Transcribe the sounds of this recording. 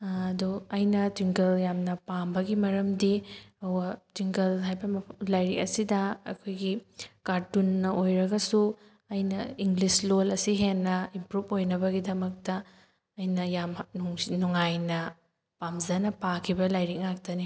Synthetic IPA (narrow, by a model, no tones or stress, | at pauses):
ɐduɐjnɐtwiŋkɐljamnɐpambɐɡimɐɾɐmdiɐwɐtwiŋkɐlɦajbɐmɐpʰlajɾik̚ɐsidɐɐ̰kʰojɡikaɾtunːɐʔojɾɐɡɐsu | ɐjnɐiŋɡlislolɐsiɦenːɐimpɾupojnɐbɐɡidɐmɐk̚tɐ | ɐjnɐjamnuŋajnɐ | pamzɐnɐpakʰibɐlajɾik̚ŋak̚tɐni